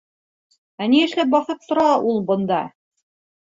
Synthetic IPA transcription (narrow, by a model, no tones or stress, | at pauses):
æniɘ̆ʃlæp̚bɑθɤp̚t̪ŏɾɑʔulˠbŏnd̪ɑ